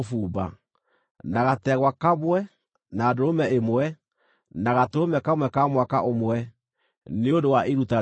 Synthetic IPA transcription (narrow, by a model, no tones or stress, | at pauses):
fuːba̰ | naɣatɛɣwakamwɛ | naːdoɾomɛemwɛ | naɣatoomɛkamwɛkamwakaʔomwɛ | neondowaʔeɾuta